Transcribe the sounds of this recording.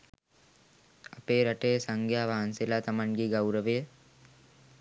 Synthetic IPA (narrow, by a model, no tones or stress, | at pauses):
ɐpeːɾɐʈəjəsaŋɡʱjaːʋaːnselat̪ɐmanɡiɡawɾəʋəjə